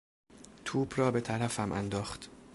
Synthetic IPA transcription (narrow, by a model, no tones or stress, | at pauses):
t̪ʰuːbrɒːbe̞t̪ʰæɾæfæmʔæ̰nd̪ɒːχt̪